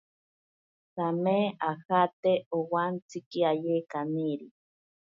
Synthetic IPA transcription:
sameahat̪eowant͡sikiajekaniɾi

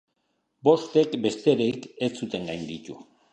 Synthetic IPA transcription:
bo̞st̪e̞kbe̞st̪e̞ɾejket͡sut̪e̞ŋɡajnd̪it̪u

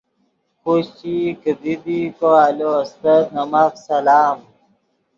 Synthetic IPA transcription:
koɕt͡ɕikəd̪id̪ikoaːloɐst̪ɐt̪nɐmaksɐlaːm

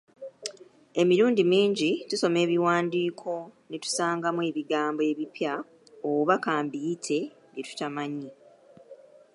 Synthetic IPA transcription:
e̞miɾuːndimiːɲɟituso̞me̞ːβiwaːndiːkʰo̞netu̥saːŋɡamwe̞ːβiɡaːmboe̞ːβipja | oβakaːmbitʰe̞ | ɡetu̥tamaɲi

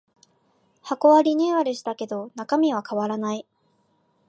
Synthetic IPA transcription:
hako̞βaɾʲiɲ̟ɨːβad̪eɕi̥t̪ake̞d̪o̞nakamʲiβ̞akaβaɾanai

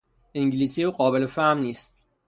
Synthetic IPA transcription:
eŋɟliːsiuːɢɒːbelefæhmniːst̪̚

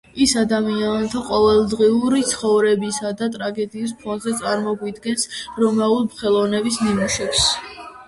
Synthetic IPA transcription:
isad̪amiant̪ʰaqʼɔvɛlˠd̪ʁiuɾit̪sʰχɔvɾɛbisad̪at̪ʼɾaɡɛd̪iːs̬pʰɔnzɛt̪sʼaɾmɔɡwid̪ɡɛnsɾɔmaulˠmχɛlˠɔnɛbisnimuʃɛps

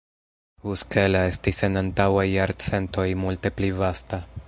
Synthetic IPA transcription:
uske̞lae̞stise̞nantawajːaɾt͡se̞nto̞jmulte̞plivasta

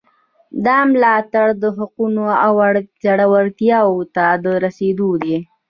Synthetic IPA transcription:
d̪ɑmlɑt̪aɽd̪əɦaqunoawaɽzaɽawaɾt̪jɑwot̪ad̪əɾased̪od̪e

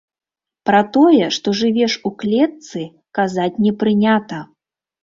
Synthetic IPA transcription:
pɾɐt̪ɔjɛʂt̪ɔʐɨvʲɛʂuklʲɛt̪sɨ | kazat͡sʲnʲɛpɾɨnʲat̪ɐ

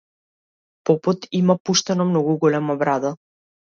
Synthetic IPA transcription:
pɔpɔt̪imapuʃt̪ɛnɔmnɔɡuɡɔlɛmabɾad̪a

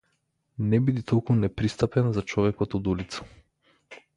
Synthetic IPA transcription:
nɛbid̪it̪ɔlˠkunɛpɾist̪apɛnzat͡ʃɔvɛkɔt̪ɔd̪ulit̪sḁ

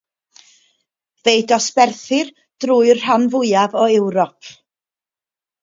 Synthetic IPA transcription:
vejdɔspɛrθɪr | d̥ruːɨr̥anvʊɨavɔɛwɾɔpʰ

